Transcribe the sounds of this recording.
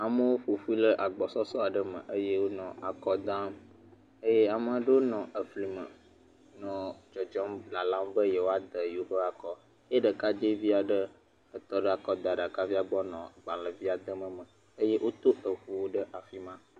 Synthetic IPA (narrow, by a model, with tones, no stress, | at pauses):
a˨mə̃˦wo˦ɸo˨fu˦i˦lə˦ʔa˨ɡ͡bɔ˨sɔ˦sɔ˦a˨ɖə˦mə̰̃˨ʔə˦je˦wo˦nɔ̃˨ʔa˨kɔ˦d̪ã˦m | ə˦je˦a˨mə̃˦ɖə˦wo˦nɔ̃˨ə˨fli˨mə̃˨ | nɔ̃˨d͡ʒɔ˨d͡ʒɔ˦mla˨lã˦mbə˦je˦wo˦a˦d̪ə˨jo˦ɸə˦a˨kɔ˦ | je˦ɖə˨ka˦d͡ʒe˦vi˦a˨ɖə˦ | ə˨t̪ɔ˦ɖə˦a˨kɔ˦d̪a˨ɖa˨ka˦vi˦a˨ɡ͡bɔ˦nɔ̃˨ɡ͡bã˨lə˨vi˦a˨d̪ə˦mə̃˨mə̃˨ | ə˦je˦ʔo˦t̪o˦ə˨ɸu˦wo˦ɖə˦ʔa˨fi˦mã˦